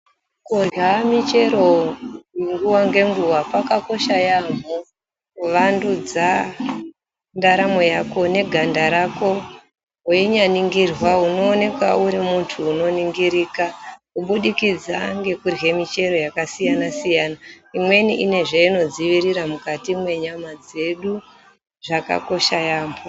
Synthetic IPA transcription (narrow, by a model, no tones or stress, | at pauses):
kurɦamit͡ʃe̞ɾo̞ | ŋɡuwaŋɡe̞ŋɡuwapakako̞ʃajamu | ʋandud͡za | ndaɾamo̞jako̞ne̞ɡʱandaɾako̞ | weɲaniŋɡirwauno̞ːne̞kwauɾimuntʰuːno̞niŋɡiɾiːkakuɓuɗikid͡zaŋɡe̞kurɦe̞mit͡ʃe̞ɾo̞jakasijanasijana | imwe̞niʔine̞ʐeino̞d͡ziʋiɾiɾamukatimwe̞ɲamad͡ze̞ɗu | ʐaka̰ko̞ʃajaːm̤o